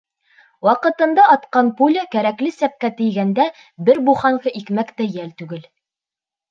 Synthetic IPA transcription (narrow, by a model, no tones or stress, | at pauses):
wɑqɤ̆t̪ɤ̆nd̪ɑɑt̪qɑnpulʲɘkæɾæklɘsæp̚kæt̪ɘ̆jɡænd̪æ | bɘɾbuχɑɴɢɤʔikmækt̪æjælt̪ʉɡɘl